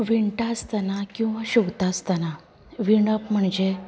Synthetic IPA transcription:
ʋiɳʈast̪anakĩw̃ʋaɕuʋt̪ast̪ana | ʋiɳ̃əpm̤əɳd͡ʑe

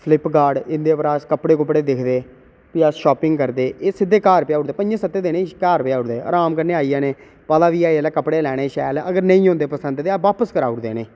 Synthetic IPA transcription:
pʰlɪpɡaːɽɪnd̪eːpɾaːskəpːɽeːkʊpːɽeːd̪ɪkʰd̪eː | pɪaːsʃɔːpɪŋɡkəɾd̪eːeːsɪd̪ːeːkaːɾpjaːʊɽd̪eːpənd͡ʒẽːsət̪ːeːd̪eːnẽːkaːɾpɪjaːʊɽd̪eːa̰ːɾaːmkəɾneːaːiːaːneː | paːlaːʋiːaːɛːlaːkəpːɽeːlɛːɽ̃eːʃɛːləɡəɾnəĩːɦõːnd̪eːpəsə̃nd̪d̪eaːʋaːpəskəɾaːʊɽd̪eːneː

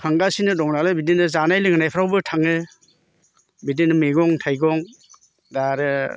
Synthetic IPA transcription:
kʰaŋɡasinɯdɔŋnalɯbidinɯzanajlɯŋnajpʰɾawbɯtʰaŋɯ | bidinɯmeɡɔŋtʰajɡɔŋ | daɾɯ

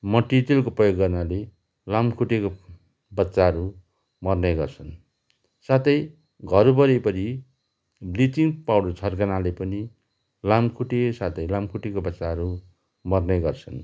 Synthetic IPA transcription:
mʌʈːit̪elkoprʌjoɡːʌrnale | lamkʰuʈeko | bʌtːsaɦʌɾu | mʌrnʌjɡʌrt͡sʰʌn | sat̪ʌj | ɡʱʌɾubʌɾepʌɾi | blitiŋpawɽot͡sʰʌrkʌnalepʌni | lamkʰuʈesat̪ʌjlamkʰuʈekobʌtːsaɦʌɾu | mʌrnʌjɡʌrt͡sʰʌn

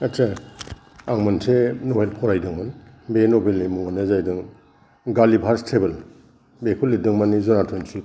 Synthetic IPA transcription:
etsa | aŋmansenoɦelpʰɔɾajdɯŋman | benobʱelːimuŋanezajdɯŋ | ɡalibʰʱaɾstʰebɐl | bekʰulːidɯŋmanizɔnatʰojnsi

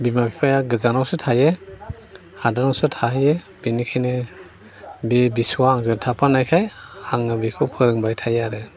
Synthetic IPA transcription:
bimapʰipʰajaɡɯzanawsɯtʰaje | hadanawsɯtʰaɦje | b̥inikʰajne | bebisuwaːŋzɯɾtʰapʰanajkʰajaŋabikʰɯwpʰɯɾɯŋbajtʰajaɾe

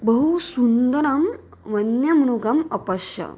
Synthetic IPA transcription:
bəɦusund̪ɐɾɐmʋɐnjɐmɐɽ̃uɡɐmɐpɐʃjɐ̰

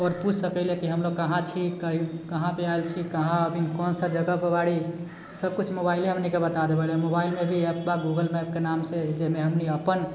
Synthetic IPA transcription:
ɔːɾput͡ʃʰsəkɛlɛkiɦəmloɡ̚kəɦãt͡ʃʰikəɦikəɦãpeaelt͡ʃʰikəɦãəbinkɔnsəd͡ʒəɡapəbaɽi | səb̚kut͡ʃʰmobailɦəmnikebət̪ad̪ebɛlɦɛmobailmebʱiəpbaɡuɡəlmɛp̚kenamsed͡ʒemeɦəmniəpən

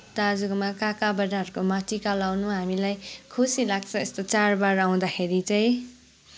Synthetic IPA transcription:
t̪ad͡zukmakakabʌdaɦʌɾukomatikalawnuɦamilajkʰusilaɡ̚t͡sʰʌest̪ot͡sarbaɾaw̃d̪akʰeɾit͡sʌ̃j̃

